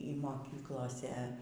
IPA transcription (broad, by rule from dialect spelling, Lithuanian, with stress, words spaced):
iː moːˈkʲiːklˠoːsʲɛ